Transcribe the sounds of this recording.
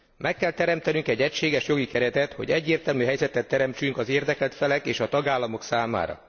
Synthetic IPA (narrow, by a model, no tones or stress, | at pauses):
mʔɛkːɛlt̪ɛɾɛmt̪ɛnyŋkɛɟːɛcʃeːɡɛʃjo̞ɡikɛɾɛt̪ɛt̪ho̞̰ɟɛɟːeːrt̪ɛlmyɦɛjzɛt̪ɛt̪ːɛɾɛmt͡ʃyŋkɒzeːrd̪ɛkɛlt̪fɛlɛkeːʃɒt̪ɒɡaːlːɒmo̞ksaːma̰ːɾɒ̰